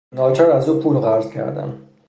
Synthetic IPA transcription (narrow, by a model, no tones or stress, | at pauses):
nɒːt͡ʃʰæɾæzuːpʰuːlɣæɾzcʰæ̰ɾd̪æ̰n